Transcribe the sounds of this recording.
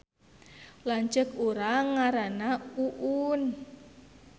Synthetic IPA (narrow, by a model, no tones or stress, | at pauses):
laɲt͡ʃəkuɾaŋaɾanauʔun